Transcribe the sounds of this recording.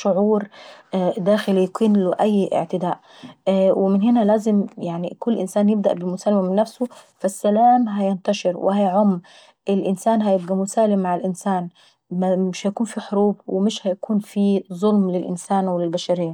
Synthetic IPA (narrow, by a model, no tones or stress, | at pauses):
ʃʊʕuːɾ | d̪æːxɪlijkiːnloʔæjːʔɪ̰ʕt̪ɪd̪aːʔ | wɪmɪnɦɪnælæːzɪmjaʕnikʊlːʔɪnsaːnjɪb̚d̪æ̰ʔbɪmʊsaːlːɪmamɪnːæfsʊfasːælaːmɦæjɪnt̪ɑʃeɾwʔɪ̰hajʕomː | ʔɪlʔɪnsaːnɦæjɪb̚ɡæmʊsaːlɪmːaʕalʔɪnsaːn | mɪʃhæjkuːnfiħoɾuːb̚wɪmɪʃhæjakuːnfizˤolmlɪlʔɪ̰nsaːnwɪlɪlbaʃaɾejːa